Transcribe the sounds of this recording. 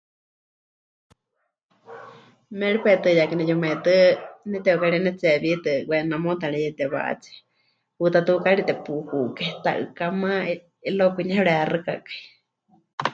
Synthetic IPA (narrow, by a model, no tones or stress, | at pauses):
mɛɺipɛt̪ɨjakinɛjomɛt̪ɨnɛt̪ɛukaɺinɛt͡sɛβit̪ɨwɛnamot̪aɺɛjɛt̪ɛβa̰ʔt͡sɛ̥ | put̪at̪ɨkaɺit̪ɛpuhukɛt̪a̰ʔɨ̰kama | ilokʷiɲahɛɺɛarɨka̰kḁi